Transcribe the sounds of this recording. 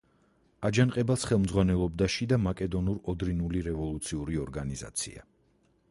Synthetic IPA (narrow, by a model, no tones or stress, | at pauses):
ad͡ʒanqʼɛbasχɛlˠmd̪zʁwanɛlˠɔbd̪aʃid̪amakʼɛd̪ɔnuɾɔd̪ɾinuliɾɛvɔlˠut̪sʰiuɾiɔɾɡaniza̰t̪sʰḭa̰